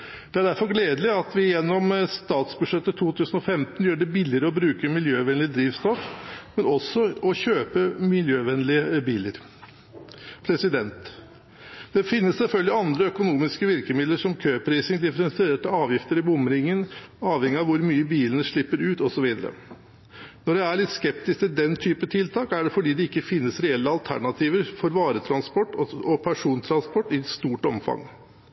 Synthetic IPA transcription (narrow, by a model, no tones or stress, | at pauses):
d̪̥ɛæɖæɾfɔɾɡleːd̪lɪɑt̪ʋɪjɛnːɔmst̪ɑːt̪sbʉʂɛt̪ːət̪ʰuːt̪ʰʉːsənɔfɛmt̪njøːɾɖɛbɪlːɪɾəɔbɾʉːkəmɪljøːʋɛnlɪd̪ɾiːʋst̪ɔfmɛnɔsːɔɔçøːpəmɪljøːʋɛnlɪəbiːləɾ | pʰɾɛsɪd̪ɛnt̪ | d̪̥ɛfɪnːəssɛlfœlɡ̪lɪɑnd̪ɾəœkʊnuːmɪskəʋɪɾkəmɪd̪ləʂɔmkʰøːpʰɾiːsɪŋd̪ɪfəɾɛnsɪeːʈəɑːʋjɪft̪əɾɪbʊmːəɾɪŋːənɑːʋhɛŋːɪɑʋʊɾmyːəbiːlənəʂɭɪpːəɾʉːt̪ɔsɔʋiːd̪əɾə̰ | nɔɖɛæɭɪt̪skɛp̚t̪ɪskt̪ɪld̪ɛnt̪ʰyːpət̪ʰɪlt̪ʰɑːkæɖɛfɔɖiːd̪ɛɪkːəfɪnːəsɾɛɛlːəɑlt̪ʰæ̰ɳɑt̪ʰiːʋəɾfɔɾʋɑːɾət̪ʰɾɑnspɔʈːɔpʰæʂuːnt̪ʰɾɑnspɔʈːɪst̪uːʈɔmfɑ̰ŋ